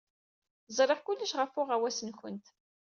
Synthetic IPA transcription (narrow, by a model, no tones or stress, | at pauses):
zˤɾˤeʁkʊlːəʃʁəfʊʁæwæsənçə̰nt̪